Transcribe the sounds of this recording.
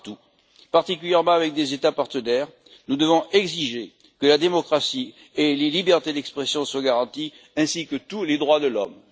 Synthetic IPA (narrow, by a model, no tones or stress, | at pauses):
t̪u | paʁt̪ik̬ʲyljɛʁmɑ̃avɛk̚d̪ezet̪apaʁt̪ənɛʁ | nud̪əvɔ̃ʔɛɡziʒe | kəlad̪emɔkχasi | elelibɛʁt̪ed̪ɛkspχesjɔ̃swaɡaʁɑ̃t̪i | ɛ̃sikət̪uled̪ʁwad̪əlɔm